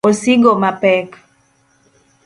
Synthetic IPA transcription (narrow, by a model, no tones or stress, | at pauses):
osiɡomapɛk